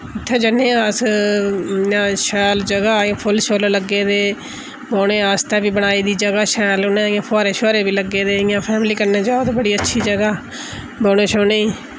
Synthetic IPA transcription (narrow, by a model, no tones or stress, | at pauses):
ɪt̪ʰːẽːd͡ʒənẽːas | ãːʃɛːld͡ʒəɡãːpʰʊlʃoːlələɡːeːd̪eː | boːɽeːaːst̪aːbiːbənaːiːd̪iːd͡ʒəɡaːʃɛːlʊnẽɪ̃jãːpʰɔːɾeːʃoːɾeːbiːləɡːeːd̪eːɪjãːpʰɛːmliːkəɾneːd͡ʒaːot̪ebəɽiːətːʃʰiːd͡ʒəɡaː | boːɽeːʃoːneːiː